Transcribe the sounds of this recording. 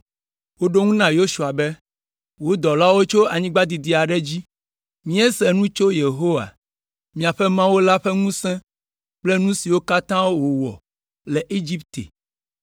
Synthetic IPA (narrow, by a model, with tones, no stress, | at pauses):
wo˦ɖo˦ŋũ˦nã˨jo˦ʃu˨a˨bɛ˦ | wo˦d̪ɔ˨la˦wo˦t͡ʃo˦a˨ɲĩ˦ɡ͡ba˦d̪i˨d̪i˨˦a˨ɖɛ˦d͡ʑi˦ | mĩ˦ɛ˦sɛ˨nũ˦t͡ʃo˦je˨ɦo˦wa̰˨ | mĩ˨a˨ɸɛ˦mã˦wo˦la˦ɸɛ˦ŋũ˦sɛ̃˦ | k͡plɛ˦nũ˦si˨wo˦ka˦t̪ã˦wo˦wo˨wɔ̰˨ | lɛ˨ʔe˦d͡ʑi˦p̚t̪ḛ˨